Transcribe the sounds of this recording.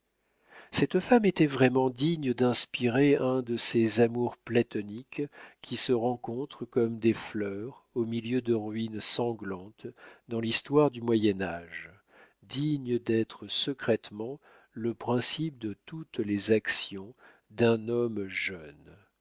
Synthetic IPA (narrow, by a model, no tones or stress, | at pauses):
sɛt̪famet̪ɛvʁɛmɑ̃d̪iɲd̪ɛ̃spiʁeɛ̃d̪əsezamuʁplat̪ɔnikʰʲːisəʁɑ̃kɔ̃t̪χəkɔmd̪eflœʁ | omiljød̪əʁɥinsɑ̃ɡlɑ̃t̪d̪ɑ̃list̪waʁd̪ymwajɛnaʒ | d̪iɲd̪ɛt̪χəsəkχɛt̪mɑ̃ | ləpχɛ̃sip̚d̪ət̪ut̪lezaksjɔ̃ | d̪ɛ̃nɔmʒœn